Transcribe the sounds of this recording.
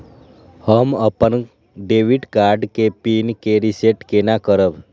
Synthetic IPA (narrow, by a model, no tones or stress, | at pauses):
həməpən | ɖeʋiɖkaɾɖkepinkeɾiseʈkenakəɾəb